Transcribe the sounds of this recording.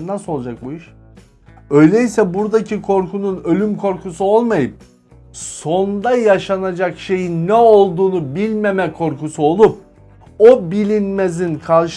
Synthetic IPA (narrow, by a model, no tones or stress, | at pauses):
nasolˠad͡ʒak̚buiʃ | ø̞jlʲɛisɛbuɾd̪acʰikʰo̞ɾkʰununø̞lʲymkʰo̞ɾkusuo̞lˠmajɯp̚ | so̞nd̪ajaʃanad͡ʒakʃe̞jinːɛo̞lˠd̪uːnubilʲmemɛkʰo̞ɾkusuo̞lˠup̚ | obilʲinmezinkʰalˠʃ